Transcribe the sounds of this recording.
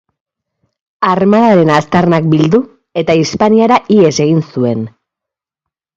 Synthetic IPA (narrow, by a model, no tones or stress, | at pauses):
armaðaɾe̞nast̪arnak̚bild̪u | e̞t̪aispaniaɾaʔie̞se̞ɣinsue̞n